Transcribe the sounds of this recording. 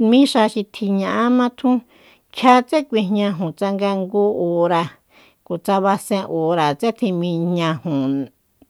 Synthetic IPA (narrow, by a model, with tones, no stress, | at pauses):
mĩ˦ʂa˧ʃi˧t̪ʰi˧ɲã˧ʔa˦mã˦t̪ʰũ˦ | kʲʰa˦t͡se˦kʷi˧ɲã˧ɦũ˨t͡sa˧ŋɡa˧ŋɡu˧o˨˧ɾa˧ | ko˨t͡sa˧βa˧sẽ˧ʔo˨ɾa˨t͡se˦t̪ʰĩ˧mĩ˧ɲɲã˧hũ˨